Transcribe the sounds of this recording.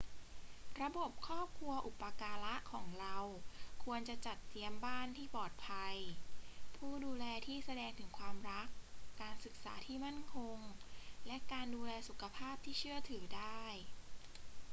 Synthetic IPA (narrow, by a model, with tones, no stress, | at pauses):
ɾa˧bo˨˩p̚kʰɔː˥˩p̚kʰlu˧ɐʔu˨˩pːa˧kaː˧la˦˥ʔkʰɔː˩˦ŋɾa˧wkʰu˧ənt͡ɕa˨˩t͡ɕa˨˩t̪ːi˧əmbaː˥˩nt̪ʰiː˥˩pɔː˨˩t̪̚pʰa˧j | pʰuː˥˩duː˧lɛː˧t̪ʰiː˥˩sa˧dɛː˧ŋt̪ʰɯ˩˦ŋkʰwaː˧mɾa˦˥kːaː˧nsɯ˨˩k̚sa̰ː˩˦t̪ʰiː˥˩ma˥˩nkʰo˧ŋlɛ˦˥kaː˧nduː˧lɛː˧su˨˩kʰa˧pʰaː˥˩p̚t̪ʰiː˥˩t͡ɕʰɯ˥˩ɐt̪ʰɯː˩˦daː˥˩j